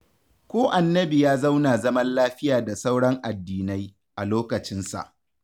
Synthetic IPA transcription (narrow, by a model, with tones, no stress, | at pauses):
kʷoː˦ʔa˨nːɐ˦bi˨jaː˦za˦wnaː˨zɐ˦mɐ˦nlaː˦ɸɪ˦jaː˨da˨sa˦wɽɐ˦ŋʔa˨dːiː˨na˦j | ʔa˨loː˦kɐ˨t͡ʃɪ˦nsa̰˨ʔ